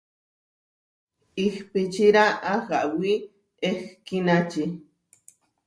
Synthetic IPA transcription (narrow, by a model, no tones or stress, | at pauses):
ixpit͡ʃiɾaʔaxaʔwi | exkinat͡ʃi